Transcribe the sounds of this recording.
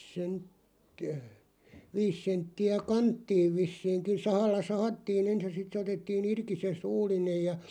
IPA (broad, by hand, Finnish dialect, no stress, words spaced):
sentːiæ ʋiːs sentːiæ kɑntːiːʋ ʋisːiːŋkin̞ sɑhɑlːɑ sɑhɑtːiːn ens jɑ sit se otetːiːn irki se suːlˑinej jɑ